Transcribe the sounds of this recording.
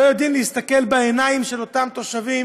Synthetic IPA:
ojod̪imleist̪ake̞lbeenaimʃe̞lo̞t̪amt̪o̞ʃavim

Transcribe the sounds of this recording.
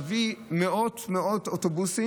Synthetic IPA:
vimeotmeototobusi

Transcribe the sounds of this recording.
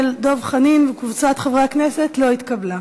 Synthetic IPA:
ldo̞vχaninvekvut͡sat̪χavʁekneset̪lo̞it̪kabla

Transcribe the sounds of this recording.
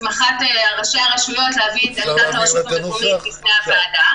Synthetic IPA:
maχateaʁaʃeaʁaʃmijo̞tleaviɛtaat | lifneavaːda

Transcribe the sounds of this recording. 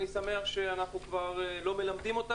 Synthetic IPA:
nisame̞aχʃe̞anaχnukvaʁlo̞me̞lamd̪imo̞t̪a

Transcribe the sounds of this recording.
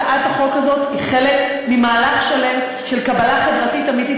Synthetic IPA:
ʔataχo̞kazo̞tiχe̞lek | mimaːlaχʃale̞m | ʃe̞lkabalaχe̞vʁatitamit̪it

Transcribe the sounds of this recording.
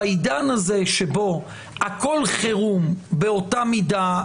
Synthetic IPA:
idanaze̞ʃebo̞ | ako̞lχeʁumbeo̞tamida

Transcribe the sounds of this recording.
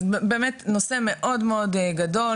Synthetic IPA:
beːmetnose̞meʔo̞dmeodɡado̞

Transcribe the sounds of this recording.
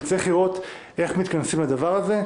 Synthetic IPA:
t͡seχliʁo̞t̪ | e̞χmit̪kansimlad̪avaʁaze̞

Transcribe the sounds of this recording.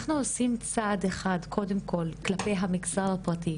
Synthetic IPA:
χnuosimt͡sadeχadkʰo̞demkʰo̞lklapejɦamiɡzaʁapʁati

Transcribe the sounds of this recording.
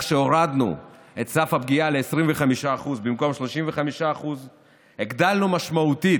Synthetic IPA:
ʃe̞oʁad̪nṵ | e̞t̪safhabɡiale̞ːsʁimveχamiʃaːχuzbimko̞mʃlo̞ʃimveχamiʃaːχuz | eɡd̪alnumaʃmaut̪i

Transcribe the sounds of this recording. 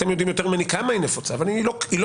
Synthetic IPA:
t̪emjo̞d̪imjot̪eʁmanikamainefot͡savailoil

